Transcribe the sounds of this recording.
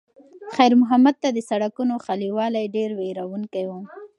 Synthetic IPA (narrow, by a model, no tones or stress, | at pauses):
xajɾmʊɦamad̪̚t̪ad̪əsaɽakunoxaliwɑlajɖeɾweɾawuŋkajwu